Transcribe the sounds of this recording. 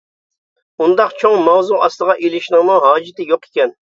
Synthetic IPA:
und̪ɑqt͡ʃʰoŋmɑwzuɑslˠəʁɑʔelɪʃnɨŋmuɦɑːd͡ʒɪt̪ɪjoqe̥kʲɛn

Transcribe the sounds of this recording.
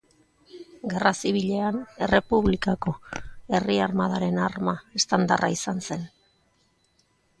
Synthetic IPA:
ɡe̞rasiβ̞iʎe̞ane̞re̞puβlikako̞e̞riarmaðaɾe̞narmae̞st̪and̪araisanse̞n

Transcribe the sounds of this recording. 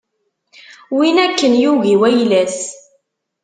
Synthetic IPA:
winækːənjuɣiwæjlæs

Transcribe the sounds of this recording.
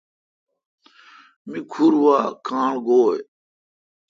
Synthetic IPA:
mikʰuɾʋaːkʰãːɳɡoːe

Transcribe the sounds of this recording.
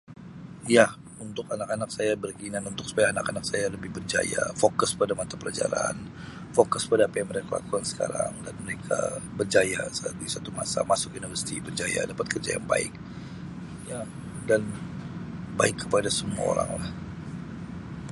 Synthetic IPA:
ja | unt̪ʊkanakanak̚sajabərkəinanunt̪ʊk̚su̥pajaːnakanak̚sajaləbɪhbərd͡ʒa̰jafokʊspadamat̪apəlad͡ʒaɾan | fokʊspadaːpajaŋməɾekala̰kuansə̥ka̰ɾaŋda̰nməɾekʰa̰bərd͡ʒajasatd̪isat̪uma̰sa̰masʊkunifərsi̥t̪ibərd͡ʒaja̰dapat̪̚kərd͡ʒa̰ja̰ŋba̰ɪ̰k̚ | ja | dan | baɪkːəpadasəmua̰o̰ɾa̰ŋlah

